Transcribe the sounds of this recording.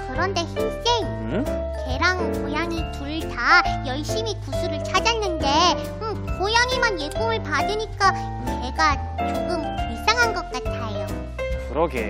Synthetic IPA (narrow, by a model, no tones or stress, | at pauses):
kɯɾʌnde̞çins͈eŋ | ke̞ɾaŋɯkojaŋituɭtajʌɭɕ͈imikusʰuɾɯɭt͡ɕʰad͡ʑanːɯnde̞ | ɯ | kojaŋimanje̞ɡumɯɭpadɯɲik͈a | ne̞ɡa | t͡ɕoɡɯmiɭs͈aŋɦanɡʌk̚k͈atʰajo | kɯɾʌɡḛ